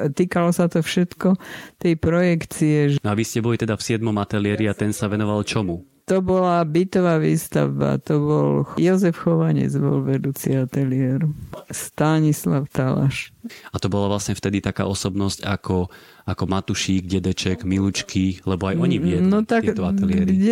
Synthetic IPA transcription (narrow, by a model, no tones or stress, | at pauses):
t̪iːkalɔsat̪ɔfʃɛt̪kɔt̪ɛjpɾɔjɛkt͡siɛʒnɔaʋiscɛbɔlit̪ɛd̪afsɪɛd̪mɔmat̪ɛliɪɛɾiat̪ɛnsaʋɛnɔʋalt͡ʃɔmu | t̪ɔbɔlabit̪ɔʋaːʋiːst̪a̰wba̰t̪ɔbɔ̰ljɔzɛfxɔʋaɲɛ̰d͡zbɔ̰lʋɛd̪uːt͡siat̪ɛliɛɾst̪aɲislaʊt̪ala̰ʃat̪ɔbɔlaʋlasɲɛft̪ɛd̪it̪aka̰ːʔɔsɔbnɔsca̰kʰɔ | akɔmat̪uʃiːɡɟɛd̪ɛt͡ʃɛɡmilut͡ʃkʰilɛbɔajɔɲiʋɪɛdnɔt̪akt̪ɔat̪ɛlɛɾɡ